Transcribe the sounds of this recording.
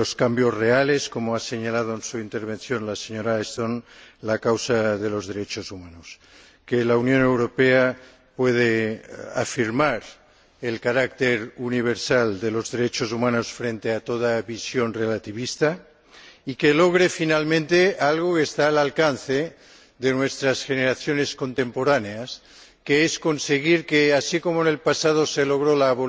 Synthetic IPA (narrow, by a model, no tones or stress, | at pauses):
oskambjo̞zreale̞sko̞moaseɲalað̞oensuint̪eɾβ̞e̞nθjo̞nlaseɲoɾaest̪onlakawsaðe̞lozðeɾet͡ʃosumanos | kelaunjõne̞wɾo̞pea | pwe̞ð̞ea̰fiɾmaɾ | elkaɾak̚t̪eɾuniβ̞eɾsald̪elo̞zðe̞ɾet͡ʃosumãnosfɾent̪eat̪oð̞aβisjo̞nrelat̪iβist̪a | ikeloɣ̞ɾefinalmẽnt̪ealɣ̞okeːst̪aːlalkanθe | ðenwest̪ɾasxeneɾaθjoneskont̪empoɾaneas | keesko̞nseɣ̞iɾkeasiko̞moenelpasað̞oselo̞ɣ̞ɾolaːβo